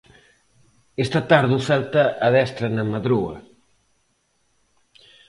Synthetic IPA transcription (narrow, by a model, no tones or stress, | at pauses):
est̪ɐt̪aɾðusalt̪ɐʔːðɛst̪ɾɐnɐmaðɾuɐ̰